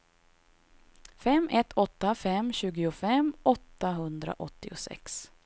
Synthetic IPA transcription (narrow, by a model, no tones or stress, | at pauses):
fɛmːɛt̪ʰːɔt̪ːafɛmɕʉ̟ːɡɪʊfɛmɔt̪ːaɦɵnd̪ɾa̰ʔɔt̪ːɪʊsɛ̰ks